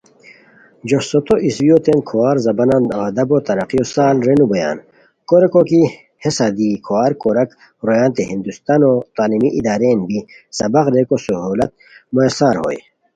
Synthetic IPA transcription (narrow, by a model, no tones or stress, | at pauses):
d͡ʑosot̪oʔiswijot̪enkʰowaːɾzɐbɐnanad̪ɐbot̪ɐɾɐqijosaːlɾenubɐja̰ːn | koɾekoki | hesad̪ikʰowaːɾkoɾɐk | ɾojaːnt̪eɦind̪ust̪anot̪aːlimiʔid̪aːɾeːnbi | sɐbɐqɾekosuɦuːlɐt̪̚ | moesaːɾho̰j